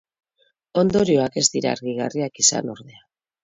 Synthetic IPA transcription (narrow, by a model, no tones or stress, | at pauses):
o̞nd̪o̞ɾio̞ake̞zd̪iɾa̰ːɾɣiɣariakisa̰no̞ɾðe̞a